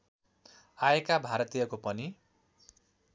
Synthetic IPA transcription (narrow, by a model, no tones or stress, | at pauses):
aekabʱaɾʌt̪ijʌkopʌni